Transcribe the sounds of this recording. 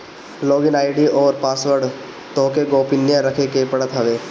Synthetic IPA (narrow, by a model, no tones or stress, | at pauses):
lɔːɡɪnaːɪɖiɔːɾpaːsʋəɾɖ | t̪ɔ̃ːkeɡoːpɪnːjaɾɐkʰekepɐɽət̪ɦɐʋeː